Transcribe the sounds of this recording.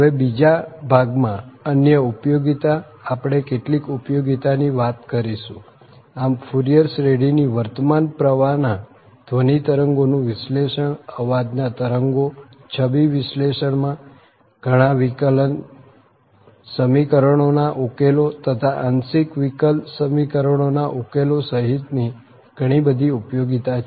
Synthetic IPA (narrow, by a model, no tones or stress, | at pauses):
ɦəʋebid͡ʒabʱaɡmãənjəupjoɡit̪aː | pɽ̃ekeʈlikupjoɡit̪aniʋat̪kəɾiʃũ | amfʰuɾijəɾsɾeɽiniʋəɾt̪əmanpɾəʋana | d̪̥ʱʋənit̪əɾəŋɡonũʋɪsleʃəɳəʋad̪nat̪əɾəŋɡo | t͡ʃʰəbiʋɪsleʃəɳmã | ɡ̥ʱəɽ̃ãʋikələn | səmikəɾəɳ̃onaʔukelot̪ət̪ʰaʔənsikʋikəlsəmikəɾəɳ̃onaʔukelosəɦit̪ni | ɡ̥ʱəɽ̃ibəd̪ʱiupjoɡit̪a